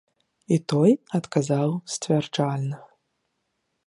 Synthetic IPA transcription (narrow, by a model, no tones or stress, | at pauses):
it̪ojat̪kazawst͡svʲarʈ͡ʂalʲnɐ